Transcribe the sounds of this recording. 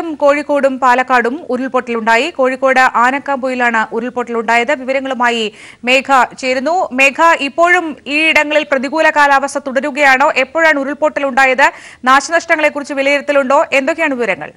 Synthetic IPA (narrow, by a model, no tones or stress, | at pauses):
umko̞ːɻikːo̞ːɽumpaːlɐkːaːɽumuɾuɭpo̞ːʈːiluɳɖaːjiko̞ːɻikːo̞ːɽɨʔaːnɐkːaːmboːjilaːɳɨʔuɾuɭpo̞ːʈːiluɳɖaːjɐðɨʋiʋɐɾɐŋːɐɭumaːji | me̞ːkʰɐt͡ɕe̞jɾunːume̞ːkʰɐʔipːo̞ːɻumiːiɽɐŋːɐɭilprɐðiɣuːlɐkaːlaːʋɐst̪ʰɐt̪uɽɐɾuɣɐjaːɳo̞ːʔe̞pːo̞ːɻaːɳuɾuɭpo̞ːʈːiluɳɖaːjɐðɨnaːɕɐnɐʂʈɐŋːɐɭe̞kːurit͡ɕːɨʋilɐjiɾɐt̪ːiluɳɖo̞ːʔe̞nd̪o̞kːeaːɳɨʋiʋɐɾɐŋːɐ̰ɭ